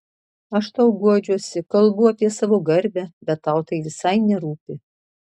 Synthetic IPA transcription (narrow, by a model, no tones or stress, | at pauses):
ɐʃt̪ɐʊɡuɔd͡ʒʲuɔsʲɪkɐlˠbʊɐpʲiɛsɑʋoːɡɐɾʲbʲɛbʲɛt̪ːɐʊt̪ɐɪʋʲɪsɐɪnʲɛɾuːpʲɪ